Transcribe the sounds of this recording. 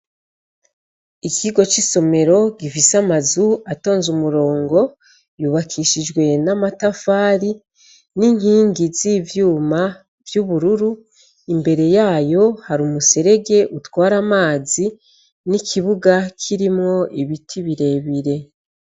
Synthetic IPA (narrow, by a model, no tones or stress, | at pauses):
ikʰiɡo̞t͡ʃiso̞me̞ɾo̞ɡifisamazuato̞ːnzumuɾo̞ːŋɡo̞ | juːβakʰiʃid͡ʒɡwe̞namatafaːɾi | niŋhiːŋɡizivjuːma | vjuβuɾuɾu | imbe̞ɾe̞jaːjo̞haɾumuse̞ɾe̞ɡe̞ʔutwaːɾamaːzi | nikʰiβuɡakʰiɾimŋo̞ʔiβitʰiβiɾe̞ːβiɾe̞